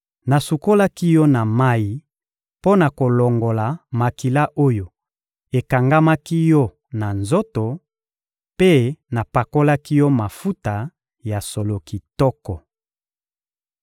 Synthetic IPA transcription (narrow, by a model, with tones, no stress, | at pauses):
na˨su˨ko˦la˦ki˦jɔ˦na˨ma˦ji˨ | po˦na˨ko˨lɔ˨ŋɡo˨la˨ma˨ki˨la˦ʔo˦jo˨ | e˨ka˨ŋɡa˦ma˦ki˦jɔ˦ | na˨nzo˦to˨ | pe˦na˨pa˨ko˦la˦ki˦jɔ˦ma˨fu˦ta˨ | ja˨so˨lo˨ki˨tɔ˦kɔ˨